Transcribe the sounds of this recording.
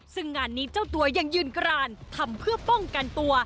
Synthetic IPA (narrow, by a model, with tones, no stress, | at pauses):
sɯ˥˩ŋːaː˧˩nːiː˦˥t͡ɕaː˥˩wt̪u˧ɐja˧ŋjɯː˧nkɾaː˧nt̪ʰa˧mpʰɯ˥˩ɐpɔ˥˩ŋka˧nt̪u˧ɐ